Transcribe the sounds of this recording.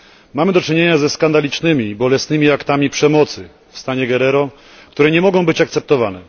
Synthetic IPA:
mamɘd̪ɔt͡ʂɘɲeɲazɛskand̪alʲit͡ʂnɘmʲibɔlɛsnɘmʲiakt̪amʲipʂɛmɔt̪sɘ | fst̪aɲɛɡɛɾɛɾɔ | kt̪uɾɛɲɛmɔɡɔ̃w̃bɘt͡ɕak̚t̪sɛp̚t̪ɔvanɛ

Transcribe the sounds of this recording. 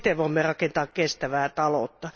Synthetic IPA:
t̪eʋʋoimːerɑkent̪ɑːkkest̪æʋæːt̪ɑlo̰t̪ːɑ

